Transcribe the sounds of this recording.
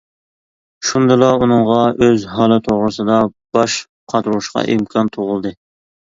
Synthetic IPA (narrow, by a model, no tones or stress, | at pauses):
ʃund̪ɨlˠɑunɨŋʁɑøzɦɑlˠɨt̪ʰoʁɾɨsɨd̪ɑb̥ɑʃ | qʰɑt̪ɾuuʃqɑ̰ʔimkʰɑnt̪ʰoʁʊlˠd̪ɨ